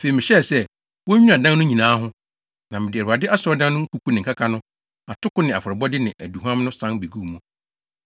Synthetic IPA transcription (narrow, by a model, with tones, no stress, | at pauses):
fe˨i˨mɪ̃˨ɕɛ˦˨sɛ˦ | wɔ˦ĩ˦a˨dã˦nnʊ̃˦ɲĩ˨nãː˦ɦʊ̃˦ | nã˨mɪ̃˨dɪ˨æ˨ɾu˨a˨dɪ˦ʔa˦sɔ˦dã˦nnʊ̃˦ŋ̩˦ku˨kʰu˦nɪ̃˨ŋ̩˨kʰa˦kʰa˦nʊ̃˦ | a˨tʰʊ˦kʊ˦nɪ̃˨a˨fʊ˨ɾɛ˨bɔ˦dɪ˦nɪ̃˨ʔæ˨du˨ɦã˦m˦nʊ̃˦sã˦be˨ɡu˦˨mʊ̃˨